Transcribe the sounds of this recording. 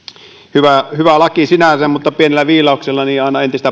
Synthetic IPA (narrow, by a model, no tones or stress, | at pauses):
hyʋæhyʋælɑkisinæsemmut̪ːɑpienelːæʋiːlɑˑokselːɑniːɑˑenɑent̪ist̪æ